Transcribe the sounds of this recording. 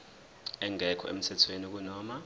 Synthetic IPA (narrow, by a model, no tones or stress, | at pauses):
ɛŋɛkʰɔ̰ḛm̩tʰɛtʰweniok̬unɔːma